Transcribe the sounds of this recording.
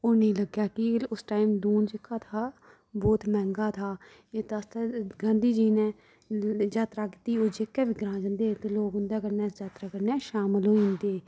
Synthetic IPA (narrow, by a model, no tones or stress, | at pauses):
oːnĩːləɡjaːkɪlʊsʈaːimd̪uːnd͡ʒɪkːaːt̪ʰaː | boːt̪mɛ̃ːŋɡaːt̪ʰaː | eːt̪əst̪ɛːɡə̃nd̪iːd͡ʒiːnɛ̃ː | d͡ʒaːt̪ɾaːkɪt̪iːoːd͡ʒekːɛːʋiːɡɾãːd͡ʒə̃nd̪eːt̪eloːkʊnd̪ɛːkəɾnɛːd͡ʒaːt̪ɾaːkəɾnɛːʃaːməloːĩnd̪eː